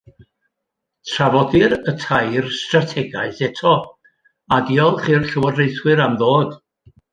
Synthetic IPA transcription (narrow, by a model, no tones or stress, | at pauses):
tʰravɔdɪɾətʰajrstratʰɛɡaɨθɛtʰɔ | adiɔlˠχirɬəwərejθwɨɾamðoːd̥